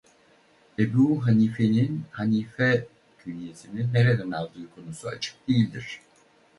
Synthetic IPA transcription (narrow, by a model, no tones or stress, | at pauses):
ebuɦaniːfe̞ninhaniːfɛ | cʰynʲije̞sininːeɾed̪ænalˠd̪ɯːkʰo̞nusuat͡ʃʰɯ̥k̚d̪ejilʲd̪iɾ̥